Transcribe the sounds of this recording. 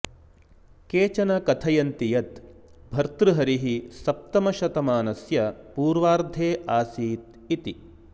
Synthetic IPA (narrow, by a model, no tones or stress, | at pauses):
keːt͡ʃɐnɐkɐt̪ʰɐjɐnt̪ijɐt̪bʱɐɾt̪ɾuɦɐɾiɦisɐp̚t̪ɐmɐʃɐt̪ɐmaːnɐsjɐpuːɾʋaːɾd̪ʱeːʔaːsiːt̪̚ | it̪i